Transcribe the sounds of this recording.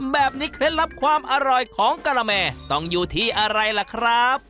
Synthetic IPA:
bɛː˨˩p̚niː˦˥kʰɾe˦˥nla˦˥p̚kʰwaː˧mʔa˧ɾɔ˨˩jkʰɔː˨˩˦ŋkaː˧ɾaː˧mɛː˧t̪ɔ˥˩ŋjuː˧˩t̪ʰiː˥˩ʔa˧ɾa˧jla˨˩kʰɾa˦˥p̚

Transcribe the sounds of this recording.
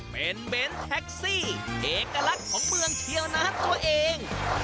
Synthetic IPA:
pe˧nbe˦˧˥nt̪ʰɛ˦˥k̚siː˥˩ʔeː˨˩ka˧la˦˥kʰːɔː˩˦ŋmɯ˧əŋt̪ʰi˧əwnaː˦˥t̪u˧ɐʔeː˧ŋ

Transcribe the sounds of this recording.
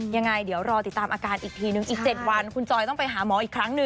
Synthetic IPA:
ja˧ŋːa˧jdi˩˦əwɾɔː˧t̪i˨˩t̪ːaː˧mʔaː˧kaː˧nʔiː˨˩k̚t̪ʰiː˧nɯ˨˩ŋʔiː˨˩k̚t͡ɕe˨˩t̪̚wa˧nkʰu˧nt͡ɕɔː˧jt̪ɔ˥˩ŋpa˧jɦaː˩˦mɔː˩˦ʔiː˨˩kʰɾa˦˥ŋnɯ˨˧

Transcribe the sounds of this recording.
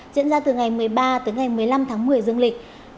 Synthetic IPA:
zḭ˧˥ənzaː˧t̪ɨ˨˩ŋa˨˩jmɨ˨˩əjɓaː˧t̪ɨː˨˦jŋa˨˩jmɨ˨˩əjla˧mt̪ʰaː˨˦ŋmɨ˨˩əjzɨ˧əŋlï˨˩k̟̚

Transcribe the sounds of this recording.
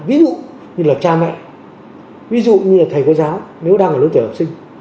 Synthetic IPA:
vi˨˦zṵ˧˨ | ɲɨ˧ŋlaː˨˩t͡ɕaː˧mɛ̰˧˨j | vi˨˦zṵ˧˨ɲɨ˧aː˨˩t̪ʰə˨˩jkːzaː˨˦wne˨˦wɗaː˧ŋʔə˨˩lo˧˦t̪ʰːhə˨˩p̚sï˧ŋ̟

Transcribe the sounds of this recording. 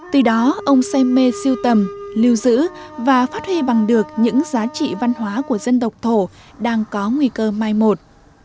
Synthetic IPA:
t̪ɨ˨˩ɗɔ˨˦ʔə˧wŋ͡msɛ˧me˧si˧əwt̪ə˨˩mli˧əwzɨ̰˧˥vaː˨˩faː˦˥t̚hwi˧ɓa˨˩ŋɗɨ˨˩ək̚ɲɨ̰˧˥ŋzaː˨˦t͡ɕḭ˧˨va˧nɦwaː˨˦ku˧˩əzə˧nt̪ə˨˩wk͡p̚t̪ʰo˧˩ɗaː˧ŋkɔ˨˦ŋwi˧kəː˧maː˧˩jmo˨˩t̚

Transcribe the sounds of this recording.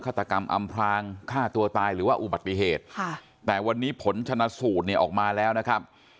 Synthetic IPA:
kʰa˥˩t̪ːa˧ka˧mʔa̰˧mpʰɾaː˧ŋkʰaː˥˩t̪u˧ɐt̪aː˧jɾɯː˩˦waː˥˩ʔu˨˩ba˨˩t̪ːi˧ɦeː˨˩t̪̚ʰaː˥˩ | ɛː˨˩wa˧nːiː˦˥pʰo˨˩˦nt͡ɕʰa˧na˦˥suː˨˩t̪̚ni˧˩əʔɔː˨˩k̚maː˧lɛː˦˥wna˦˥kʰa˦˥p̚

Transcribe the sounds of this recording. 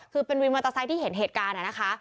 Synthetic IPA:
kʰɯː˧pe˧nwi˧nma˧t̪a˧sa˦˥jt̪ʰiː˥˩ɦe˩˦nɦeː˨˩t̪̚kaː˧na˨˩na˦˥kʰa˦˥

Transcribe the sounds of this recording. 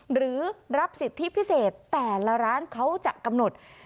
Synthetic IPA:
ɾɯː˩˦ɾa˦˥p̚si˨˩t̪ʰːi˦˥pʰi˦˥seː˨˩t̪ːɛː˨˩la˧ɾaː˦˥nkʰa˦˥wt͡ɕa˨˩ka˧mno˨˩t̪̚

